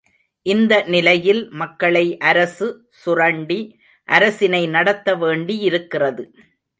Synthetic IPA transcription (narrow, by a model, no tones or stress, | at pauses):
ʔɪnd̪ɐnɪlɐjɪlmɐkːɐɭɐɪʔɐɾɐsɯ | sʊrɐɳɖi | ʔɐɾɐsɪnɐɪnɐɽɐt̪ːɐʋeːɳɖiɪɾɯkːɪrɐðɯ